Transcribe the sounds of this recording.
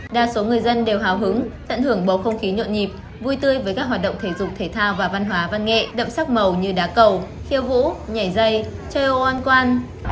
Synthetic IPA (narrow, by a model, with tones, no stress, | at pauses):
ɗaː˨˩so˨˦ŋɨ˨˩əjzə˧nɗe˨˩wɦaː˨˩wɦɨ˨˦ŋt̪ə̰˧˨nhɨ˧˩əŋɓo˨˦xə˧wŋ͡mxi˨˦ɲo̰˧˨nɲi˨˩p̚ | vu˧jt̪ɨ˧əjvəː˨˦kaː˦˥kɦwaː˨˩t̚ɗə̰˧˨ŋ͡mt̪ʰe˧˩zʊ˨˩k͡p̚t̪ʰe˧˩t̪ʰaː˧wvaː˨˩va˧nɦwaː˨˦va˧nŋḛ˧˨ɗə̰˧˨wŋ͡msa˦˥k̚mə˨˩wɲɨ˧ɗaː˨˦kə˨˩w | xi˧əwvṵ˧˥ɲa˨˧˩jzə˧jt͡ɕəː˧jʔo˧˩ʔaː˧nkwaː˧n